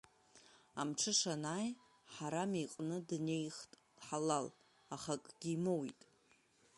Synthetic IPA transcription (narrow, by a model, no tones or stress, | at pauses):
amʈ͡ʂʰɨʂanaːj | ħaɾamejqʼnɨdne̞jχtʼd̥ħalal | aχakʼɡ̥ʲiːmowḭtʼ